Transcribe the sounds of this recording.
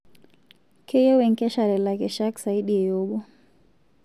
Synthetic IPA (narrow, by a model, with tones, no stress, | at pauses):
kʰɛ˦jɛ˦wɛ˨ŋkɛ˦ʃa˨ɾɛ˨la˨kɛ˨ʃa˦ksa˨i˦ɗi˦ɛ˨jɔ˦ɓɔ˦